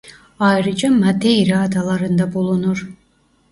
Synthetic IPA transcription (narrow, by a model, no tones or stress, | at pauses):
ɑjɾɯd͡ʒamad̪ejɾaːd̪alˠaɾɯnd̪abulˠunuɾ